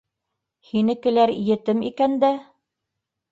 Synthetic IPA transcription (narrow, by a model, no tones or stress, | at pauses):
hinɘ̆kɘ̆læɾijɘ̆t̪ɘmḭkænd̪æ